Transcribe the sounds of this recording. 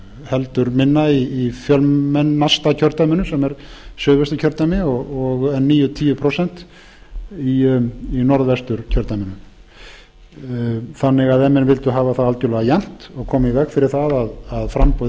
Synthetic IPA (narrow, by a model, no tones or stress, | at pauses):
hɛlt̪ʏɾmɪnːaiːfjœlmɛnːast̪acʰœɾt̪amɪnʏsɛmɛɾ̥sœːðvɛst̪ɪ̥cʰœɾt̪amɪɔɣɔɣɛnːiːjʏt̪ʰiːjʏpʰɾosɛn̥t̪ | iinɔɾðvɛst̪ʏɾ̥cʰœɾt̪amʏnʏ | θanːɪɣaðɛmːɛnvɪlt̪ʏɦaːvaθaðalt̪ʏlɛɣajan̥t̪ɔɣkʰɔːmaivɛxfɪɾɪɾ̥θaðaðaðfɾampɔ